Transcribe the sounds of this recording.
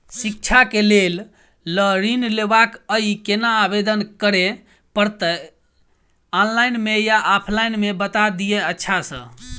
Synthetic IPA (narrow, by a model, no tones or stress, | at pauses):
sik̚t͡ʃʰakelel | ləɾinlebakəikenaːbed̪ənkəɾe | pəɾt̪ə | ɔnlajnmejaʔɔpʰlajnmebət̪ad̪ijeətːʃʰasə̰̃